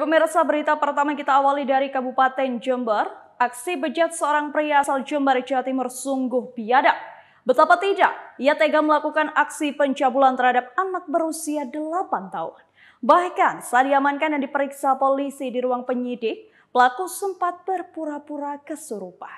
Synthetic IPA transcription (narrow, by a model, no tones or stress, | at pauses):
pəmirsabəɾit̪apərt̪amakit̪aːwalidaɾikabupat̪ɛnd͡ʒəmbər | ʔaksibəd͡ʒat̪̚səoɾaŋpɾiaːsald͡ʒəmbərd͡ʒaat̪imʊrsuŋɡʊhbiadaʔ | bət̪apat̪idaʔijat̪eɡaməlakukanaksipəɲt͡ʃabulant̪ərhadap̚anak̚bəɾusiadəlapant̪aʊ̰n | bahkansajadiamankandandipəɾiksapolisidiɾuaŋpəɲidɪk̚ | pəlakusəmpat̪̚bərpuɾapuɾakəsəɾupah